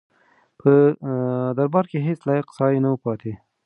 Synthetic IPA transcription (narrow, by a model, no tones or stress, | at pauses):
pʰə | d̪aɾbɑɾkeɦet͡slɑjaqsɑjnawəpɑt̪ʰe